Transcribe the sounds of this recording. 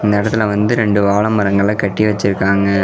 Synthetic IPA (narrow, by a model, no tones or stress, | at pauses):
ɪnd̪ɐɪɽɐt̪ːɪlɐʋɐnd̪ɯɾɛɳɖɯʋaːɭɐmːɐɾɐŋɡɐɭɪɭɐkɐʈːiʋɐt͡ʃːɪɾɯkːaːŋɡɐ